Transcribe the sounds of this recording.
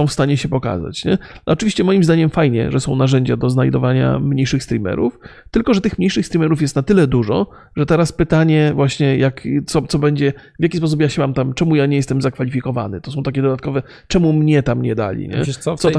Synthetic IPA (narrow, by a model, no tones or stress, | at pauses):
ɔ̃w̃fst̪aɲɛɕɛpɔka̰za̰t͡ɕɲɛ̰ɔt͡ʂɨvʲiɕt͡ɕɛmɔjimzd̪aɲɛmfajɲɛ̰ʐɛsɔ̃w̃naʐɛɲd͡ʑad̪ɔznajd̪ɔvaɲa̰mɲejʂɘxst̪ɾʲimɛ̰ɾuft̪ɘlkɔʐɛt̪ɘxmɲejʂɘxst̪ɾʲimɛɾufjɛst̪nat̪ɘlɛd̪uʐɔ̰ | ʐɛt̪ɛɾaspɘt̪aɲɛvwaɕɲɛjakt̪sɔt̪sɔbɛɲd͡ʑɛ | vʲjakʲispɔs̬upjaɕɛmamt̪amt͡ʂɛmujaɲeɛjɛst̪ɛmzakfalʲifʲikɔva̰nɘt̪ɔsɔ̃w̃t̪akʲɛd̪ɔd̪at̪̚kɔvɛ | t͡ʂɛmumɲɛt̪amɲɛd̪a̰lʲḭɲɛ̰sɔ